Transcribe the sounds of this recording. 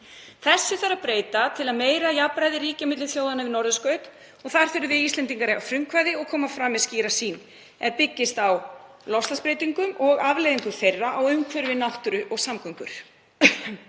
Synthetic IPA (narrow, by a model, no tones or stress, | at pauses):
θɛsːʏθaɾapɾeːjt̪at̪ʰɪlaðmeːjɾajapɾajðɪɾiːcamɪt̪lɪθjowðanavɪnɔɾðʏskœːɥt̪ | ɔɣθaɾ̥θʏɾʏvɪðist̪lɛnt̪iŋkaɾɪafɾʏmkʰvajðɪɔɣkʰɔːmafɾaːmːɛðsciːɾasiːn | ɛɾpɪcːɪst̪aw | lɔfslaspɾejt̪iŋkʏmʔɔɣavlejðiŋkʏ̥θejrːaʔawʏmkʰvœɾvɪnawht̪ʏɾʏʔɔɣsamkʏŋkʏɾ̥